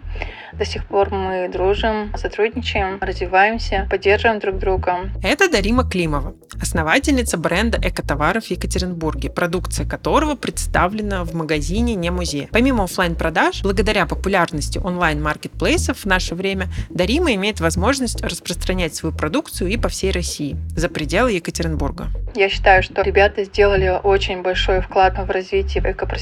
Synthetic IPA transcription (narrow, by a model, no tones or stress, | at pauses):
d̪ɐsʲixpo̞rmɨd̪ɾuʐɨmsɐt̪ɾudʲnʲɪt͡ɕɪjɪmrəzvʲɪvajɪmsʲəpɐdʲːerʐəvəɪmd̪ɾuɡ̚d̪ɾuɡəɛt̪əd̪ɐɾʲiməklʲiməvə | ɐsnɐvatʲɪlʲnʲɪt̪səbɾɛnd̪əʔɛkət̪ɐvaɾəfjɪkətʲɪɾʲɪnburɡʲɪpɾɐd̪ukt̪sɨjəkɐt̪o̞ɾəvəpɾʲɪt̪st̪avlʲɪnəvməɡɐzʲinʲɪnʲemʊzʲejəpɐmʲiməoflˠajnpɾɐd̪aʂblˠəɡəd̪ɐɾʲapəpʊlʲarnəsʲtʲɪʔonlˠajnmarkʲɪt̪̚plˠejsəfvnaʂəvɾʲemʲəd̪ɐɾʲiməɪmʲejɪt̪vɐzmo̞ʐnəsʲtʲrəspɾəst̪ɾɐnʲætʲsvɐjupɾɐd̪ukt̪sɨjʊipɐfsʲejrɐsʲiɪzəpɾʲɪdʲe̞lˠəjɪkətʲɪɾʲɪnburɡə̰jaɕːɪ̥t̪ajʊʂt̪oɾʲɪbʲat̪əzʲdʲe̞lˠəlʲɪʔot͡ɕɪnʲbɐlʲʂojfklˠat̪vrɐzvʲitʲɪːvɛkəpɾ